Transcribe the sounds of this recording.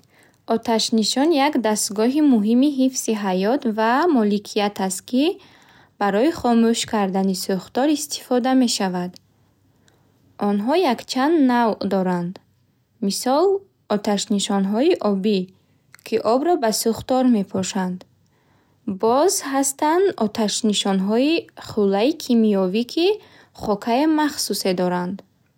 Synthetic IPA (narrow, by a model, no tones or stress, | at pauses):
ɔt̪ʰaʃniʃɔnjakd̪ast̪ɡɔɦimuɦimiɦifsiɦajɔt̪vamɔlikʰijat̪ʰast̪̚ki | b̥aɾɔiχɔmuʃkʰaɾd̪anisuχt̪ɔɾist̪ʰi̥fɔd̪ame̞ʃavad̪ | ʔɔnɦɔjakt͡ʃʰand̪navd̪ɔɾand̪ | misɔl | ɔt̪ʰaʃniʃɔnɦɔiʔɔbi | kʰiʔɔbɾɔbasuχt̪ɔɾme̞pʰɔʃand̪ | bɔzhast̪and̪ɔt̪ʰaʃniʃɔnɦɔiχulːaikʰimiɔvikʰi | χɔkʰaemaχsuse̞d̪ɔɾand̪